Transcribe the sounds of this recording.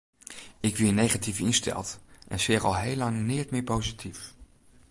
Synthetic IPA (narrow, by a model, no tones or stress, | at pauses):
ɪkʋɪːnejχatifɪnstɛ̰lˠtʔɛ̰nsɪːrɑlˠɦejlɑŋnɪtmɪːɹpowzitʰif